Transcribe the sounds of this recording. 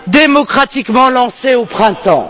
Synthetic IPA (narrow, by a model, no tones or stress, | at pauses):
d̪emɔkχat̪ikmɑ̃lɑ̃seopχɛ̃t̪ɑ̰̃